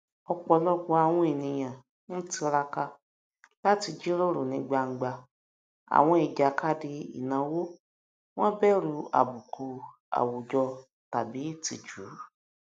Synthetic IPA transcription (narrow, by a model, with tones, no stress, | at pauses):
ɔ˧k͡pɔ˧lɔ˦k͡pɔ˧a˧w̃ɔ̃˧e˨nĩ˧j̃ã˨ | ñ̩˦ti˧ɾa˧ka˧ | la˦ti˧d͡ʒi˦ɾo˦ɾu˨nĩ˨˦ɡ͡ba˧ŋ̩˨ɡ͡ba˧ | a̰˨w̃ɔ̃˧i˨d͡ʒa˨ka˧di˧ḭ˨nã˨˦wo˦ | w̃ɔ̃˦bɛ˦ɾu˧a̰˨bu˨kʰu˨ | a̰˨wo˨d͡ʒɔ˧ | ta˨bi˨˦ti˧d͡ʒu˨ɾ